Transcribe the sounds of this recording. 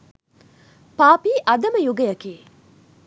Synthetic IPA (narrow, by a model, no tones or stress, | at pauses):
paːpiːʔɐd̪ɐməjuɡɐjɐkeː